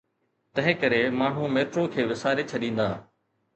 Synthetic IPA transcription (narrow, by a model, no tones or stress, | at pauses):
t̪ɐ̃ɦɪ̃kɐɾemaːɳ̤ũmeːʈɾokʰeːʋɪsaːɾet͡ɕʰɐɗĩːn̆d̪aː